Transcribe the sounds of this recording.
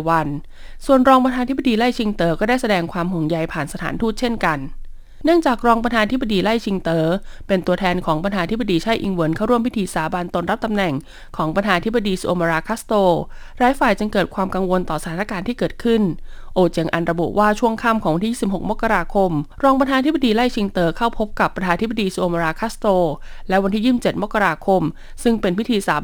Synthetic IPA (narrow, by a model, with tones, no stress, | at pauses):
wa˧n | su˨˩ənɾɔː˧pa˧t̪ʰaː˧t̪̚ʰba˧diː˧la˥˩jt͡ɕʰi˧ŋt̪ɤː˧˩kɔː˥˩daː˥˩jsa˧dɛː˧ŋkʰwaː˧mɦu˨˩ŋja˧jpʰaː˨˩nsa˧t̪ʰa̰ː˩˦nt̪ʰuː˥˩t̪̚t͡ɕʰe˥˩nka˧nː | ɯ˥˩əŋt͡ɕaː˨˩k̚ɾɔː˧ŋpa˧aː˧t̪ʰi˦˥ba˧diː˧la˥˩jt͡ɕʰi˧ŋt̪ɤː˧pe˧nt̪u˧ɐt̪ʰɛː˧nkʰɔː˩˦ŋpa˧nʰtʰaː˧t̪ʰi˦˥ba˧diː˧t͡ɕʰa˥˩jʔi˧ŋwɤ˩˦nkʰa˥˩wɾu˥˩əmpʰi˦˥t̪ʰiː˧saː˨˩˦ba˧nt̪o˧nɾa˦˥p̚t̪a˧mnɛ˨˩ŋ | kʰɔː˩˦ŋpa˧ntʰaː˧t̪ʰi˦˥ba˧diː˧su˧ʔoː˧maː˧ɾaː˧kʰaː˦˥st̪oː˧˩ɾaː˨˦˥jfaː˨˩jt͡ɕɯ˧ŋkɤː˨˩t̪̚kʰwaː˧mka˧ŋwo˧nt̪ɔː˨˩sat̪ʰa˨˦na˥kaː˧nt̪ʰiː˥˩kɤː˨˩t̪̚kʰɯ˥˩nʔoː˧t͡ɕe˧ŋʔa̰˧nɾa˧bṵ˨˩ʔwaː˥˩t͡ɕʰu˥˩əŋkʰa˥˩mkɔː˨˩˦wa˧nt̪ʰiː˥˦˥si˩phɦo˨˩k̚ma˦˥kːa˧ɾaː˧kʰo˧mɾɔː˧ŋp̬a˧t̪ʰaː˧t̪ʰi˦˥ba˧diː˧la˥˩jt͡ɕʰi˧ŋt̪ɤː˧kʰa˥˩wpʰo˦˥p̚ka˨˩pːɾt̪ʰaː˧t̪ʰi˥ba˧diː˧su˧oː˧ma˧ɾaː˧kʰaː˦˥st̪oː˧ | lɛ˦˥wa˧nt̪ʰiː˥˩iː˥˩mt͡ɕe˨˩t̪̚ma˦˥kːa˧ɾaː˧kʰo˧m | sɯ˥˩ŋpe˧npʰi˦˥t̪ʰiː˧saː˩˦